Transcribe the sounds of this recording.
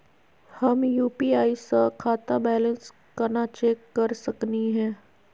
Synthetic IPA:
hɐmjuːpiːaːisəkʰaːt̪abɛːlə̃ns | kɐnat͡ʃeːkːɐɾsɐkniɦɛ̃ː

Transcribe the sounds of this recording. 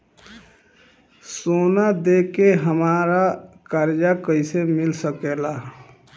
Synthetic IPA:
soːnad̪eːkeɦəmaːɾakaɾd͡ʒakəɪsemɪlsəkeːla

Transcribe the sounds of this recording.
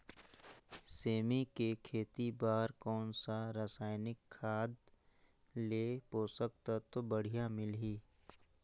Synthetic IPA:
seːmikekʰeːt̪ibaːɾkɔːnsaɾasaːɪnɪkʰːaːd̪ | leːpoːsək̚t̪at̪obəɽ̤ijamɪlɦiː

